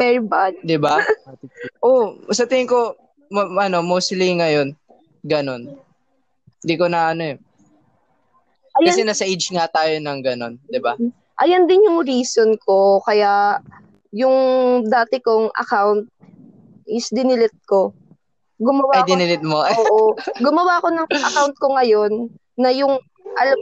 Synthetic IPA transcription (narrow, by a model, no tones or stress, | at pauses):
pɛɹbad̪d̪ɪba | ʔosɐt̪ɪɪŋko | mɐʔɐno̞mowst̪liŋɐjo̞n | ɡɐno̞n | ɪd̪ikonɐʔɐnojn | ɐjkɐsɛnasɐʔet͡ʃŋat̪aːjonɐŋɡɐno̞nd̪ɪba | ʔɐjɐnd̪ɪnjʊŋɾiːsonkʰo̞kɐjaʔ | jʊŋd̪aːt̪ɪkoŋʔɐ̰kawnt̪̚ | ʔɪsd̪ɪnɪlɪt̪̚ko̞ | ɡʊmɐwaɐd̪ɪnɪlɪt̪̚moʔoɡʊmɐwako̞nɐŋʔɐ̰kawnt̪̚koŋɐjo̞nː | ɐjʊŋ | ʔɐlɐ